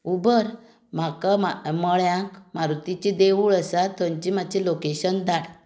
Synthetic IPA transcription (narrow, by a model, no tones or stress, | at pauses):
ubəɾ | makamməɭjãkmaɾut̪it͡ɕid̪eʋuɭəsat̪ə̃ɲt͡ɕimat͡ɕilokeɕənd̪aɽ